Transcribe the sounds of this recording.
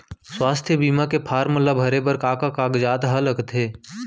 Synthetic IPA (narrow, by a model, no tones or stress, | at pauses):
swaːst̪ʰjəbiːmakepʰaːɾməlabʱɐɾebəɾkaːkakaːɡd͡ʒaːt̪ɦɐləkt̪ʰeː